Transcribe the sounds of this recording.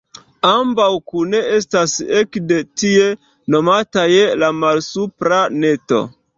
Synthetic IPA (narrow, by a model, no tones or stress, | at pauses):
ambawkune̞e̞stasekde̞tie̞ | no̞matajelamalsupɾane̞to̞̰